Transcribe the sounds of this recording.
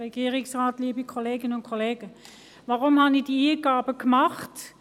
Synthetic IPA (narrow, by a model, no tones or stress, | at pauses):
ʁɛɡ̥iːəʁɪksʁaːtliːəbikʰɔleːɡənəʊntkʰɔleːɡ̥ə | ʋaʁʊmhɑnid̥iiːɡ̥aːbəkmɑχt